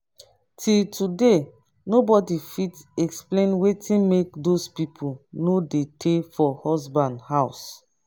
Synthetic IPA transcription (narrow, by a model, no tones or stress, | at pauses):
tʰiltʰude | nobɔdifitɛksplẽnwetʰĩnmek̚dospipʰunodetʰefɔhɔzbãndhaʊs